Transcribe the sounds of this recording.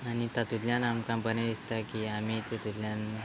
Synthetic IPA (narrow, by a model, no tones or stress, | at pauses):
anit̪at̪udljanamkãmpəneist̪akiamit̪et̪ulljan